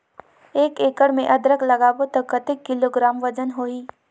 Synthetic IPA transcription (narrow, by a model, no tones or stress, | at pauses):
eːkeːkəɽmẽʔɐd̪ɾəklɐɡaːbot̪ɐkːət̪ekːɪloːɡɾaːmʋɐd͡ʒənɦoːiː